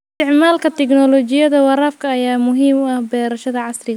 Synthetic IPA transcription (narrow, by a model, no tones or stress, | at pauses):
st̪ʰɪʕmaːlkʰɐt̪ʰɛknɔlɔt͡ʃɪjɐðɐwɑɾaːfkʰɐːjaːmʊɦiːmɐhbɛːɾɐʃɐðɐʕɑsrɪɣ